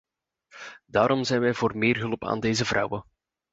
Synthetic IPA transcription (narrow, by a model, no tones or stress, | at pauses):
daːɾɔmzɛjnʋɛjvoːrmɪːrɦɵlˠpa̰ːndeːzəvrɑ̰wə